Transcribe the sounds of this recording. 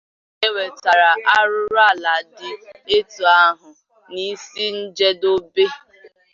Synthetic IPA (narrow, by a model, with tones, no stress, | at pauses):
e˦we˨ta˨ɾa˨ʔa˦ɾʊ˦ɾa˦˨la˨dɪ˨e˦tu˨a˦ɦʊ˨ | ni˦si˦n̩˦d͡ʒe˦do˦be˦